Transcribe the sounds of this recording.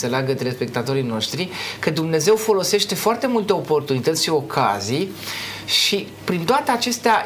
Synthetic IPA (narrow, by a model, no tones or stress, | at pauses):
seleaɡət̪ɾe̞spe̞k̚t̪at̪o̞ɾijno̞ʃt̪ɾikəd̪umne̞ze̞wfo̞lo̞se̞ʃt̪e̞foart̪e̞mult̪eo̞po̞rt̪unit̪ət̪sʲʃio̞kʰa̰zij | ʃi | pɾint̪oat̪e̞at͡ʃe̞st̪ea